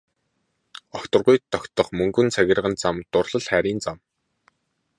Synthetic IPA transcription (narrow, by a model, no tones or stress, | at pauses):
ɔxt̪ɞ̆rʁʊjt̪ːɔkʲt̪ɞ̆χmɵŋɡɵ̆nt͡sʰæɣʲɪ̆rʁə̆nt͡samt̪ʊrɮə̆ɮχæːɾʲiːnt͡sam